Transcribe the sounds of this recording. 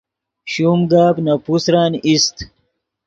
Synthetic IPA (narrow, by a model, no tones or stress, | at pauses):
ɕuːmɡaːbnɐpusɾaːnist̪